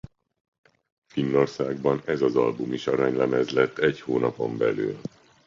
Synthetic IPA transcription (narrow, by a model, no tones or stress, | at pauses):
finːo̞rsaːɡbɒnɛzɒzɒ̰lbumiʃɒɾɒɲlɛmɛzlɛt̪ːɛɟhoːnɒpo̞̰mbɛ̰ly̰ːl